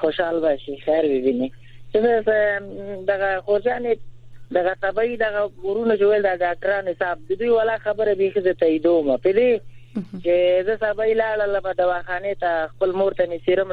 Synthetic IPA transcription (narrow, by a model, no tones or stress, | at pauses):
xoʃɑːlbɑʃixɛɾwibini | t͡ʃəsəs | d̪aɣaxoɾd͡ʒɑned̪aɣat̪abɑid̪aɣauɾunat͡ʃeweld̪aɖɑːk̚ʈaɾɑnhɪsɑːb̚d̪əd̪ujwalɑːxabəɾabexizət̪aid̪omapəd̪et͡ʃezəsabailɑɽələmaɖ̪awɑxɑːnet̪axpəlmoɾt̪anɪsiɾəm